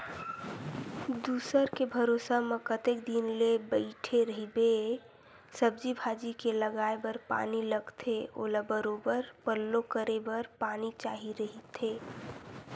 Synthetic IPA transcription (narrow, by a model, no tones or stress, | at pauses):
d̪uːsəɾkebʱəɾoːsaməkət̪ek̚d̪inlebəɪʈʰeɾəɦibe | səb̚d͡ʒibʱaːd͡ʒikeləɡaːebəɾpa̰ːniləɡt̪ʰeo̰ːlabəɾoːbəɾpəlːokəɾebəɾpaːnit͡ʃaːɦiɾəɦit̪ʰeː